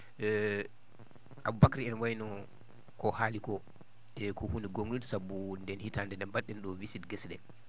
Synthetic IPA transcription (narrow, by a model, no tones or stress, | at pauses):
ɛ | ʔabubakɾiɛnwajnɔ | kɔhalikɔ | ɛkʰɔhuniɡoŋudsabundɛnhitandɛndɛnbaɗɛnɗɔwisidɡɛsɗɛ